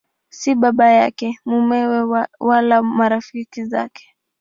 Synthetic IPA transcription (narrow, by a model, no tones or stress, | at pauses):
siɓaɓajakɛmumɛwɛwalamaɾafikiza̰kɛ̥